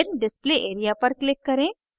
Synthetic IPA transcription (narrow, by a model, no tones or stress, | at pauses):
ɾɖɪspleʔeːɾijapɐɾklɪkːɐɾẽ | s